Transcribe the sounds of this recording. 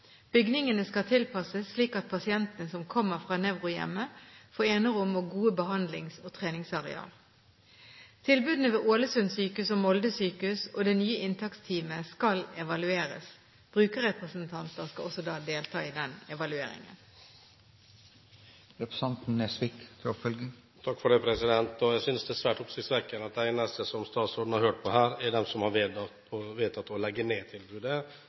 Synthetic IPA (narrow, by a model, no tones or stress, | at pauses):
b̥ʏɡnɪŋənəskɑt̪ʰɪlpʰɑsəsːliːkɑt̪̚pʰɑsɪɛnt̪ənəsɔmkʰɔmːəʁfʁɑːnɛʋʁʊjɛ̰mːəfoːeːnəʁʊmoːɡuːəbəhɑnd̪lɪŋsoːt̪ʰʁeːnɪŋsɑʁɛ̰ɑ̰ːl | t̪ʰɪlbʉːd̪n̩əʋeːʔoːləsʉnsyːkʉsoːmɔld̪əsyːkʉso̰ːd̪ɛnyːəʔɪnt̪ʰɑkst̪ʰiːməskɑlɛʋɑlʉeːɾə̰s | b̥ʁʉːkəɾʁɛpʁəsənt̪ʰɑnt̪əʁskɑɔsɔd̪ɑːd̪eːlt̪ʰɑːɪd̪ɛnɛʋɑlʉḛːɾɪ̰ŋə̰n | ɾɛpɾəsɑnt̪n̩ɛsʋɪkt̪ʰɾufœlɡə | t̪ʰɑkːfɔɖɛɪpʰɾɛsɪd̪ɛnt̪ɔjæɪsʏnsd̪ɛæsʋæːʈʊpsɪsʋɛkːənɑt̪̚d̪æɪnəst̪əsɔmst̪ɑːt̪sɔːɖn̩hɑɾhøːʈ̚pʰɔɦæːɾɛɖɛmsɔmhɑɾʋeːd̪ | ɔʋeːt̪ʰɑt̪ːɔlɛɡːəneːt̪ʰɪlbʉːd̪ə